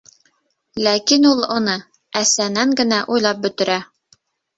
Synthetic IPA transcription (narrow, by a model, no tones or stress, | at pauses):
lækinulˠŏnɤ | æsænæŋɡɘ̆næʔujlˠɑp̚bɵ̆t̪ɘ̆ɾæ